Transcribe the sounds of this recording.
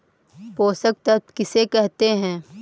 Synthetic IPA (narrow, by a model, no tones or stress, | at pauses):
poːsək̚t̪ɐtkɪsekɛɦt̪eɦɛ̃ː